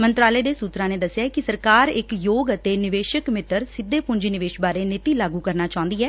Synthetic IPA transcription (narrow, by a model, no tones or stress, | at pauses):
mənt̪ɾaːleːd̪eːsuːt̪ɾãːneːd̪əsːjaːkɪsəɾkaːɾɪkjoːɡət̪eːnɪʋeːʃəkmɪt̪əɾsɪd̪ːeːpʊɲd͡ʒnɪʋeːʃbaːɾeːnɪt̪iːlaːɡuːkəɾnaːt͡ʃaːʊ̃nd̪iːɦɛː